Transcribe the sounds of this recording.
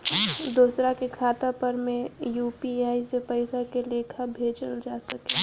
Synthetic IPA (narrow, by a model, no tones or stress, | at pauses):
d̪oːsɾakekʰaːt̪apəɾmẽjuːppiaːisepəɪsakelekʰabʱeːd͡ʒəld͡ʒaːsəke